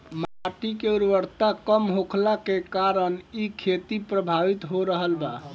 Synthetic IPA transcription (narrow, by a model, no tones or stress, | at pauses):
maʈikeuɾʋəɾt̪akəmɦokʰlakekaɾənikʰet̪ipɾəbʱaʋit̪ɦoɾəɦəlba